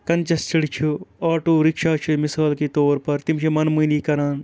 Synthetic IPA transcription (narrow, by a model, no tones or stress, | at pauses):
kɐnt͡ʃɐst͡ʃɐɽt͡ʃʰuaːʈoːɾɪkʃaːt͡ʃʰumisaːlkiːt̪oːɾpɐɾt̪imt͡ʃʰemɐnmuːniːkɐɾaːn